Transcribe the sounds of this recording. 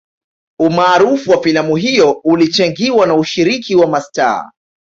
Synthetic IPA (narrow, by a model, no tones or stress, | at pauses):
umaːɾufuwafilamuɦijɔulit͡ʃaŋɡiwanauʃiɾikiwamasta̰ː